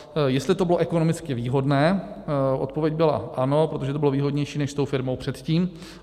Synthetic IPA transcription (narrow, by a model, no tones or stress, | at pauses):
jɛst̪lɪt̪obɪloʔɛkono̞mɪt͡skɪviːɦo̞dnɛːʔot̪̚po̞vjɛcɟ̚bɪla̰ʔano̞pɾot̪o̞ʒɛt̪obɪlo̞viːɦo̞dɲɛjʃiːnɛʃst̪owfɪɾmo̞wpr̥ɛt̪ciːm